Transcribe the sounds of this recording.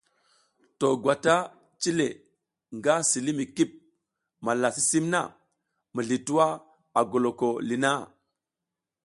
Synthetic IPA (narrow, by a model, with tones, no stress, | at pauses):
to˨ɡwa˨ta˦ | t͡ʃi˦le˨ | ŋɡa˦si˨li˦mi˨ki˦p̚ | ma˨la˨si˦si˦mna̰˦˨ | mə˨ɮi˨tu˦wa˦ | a˨ɡo˨lo˨ko˨li˨na˦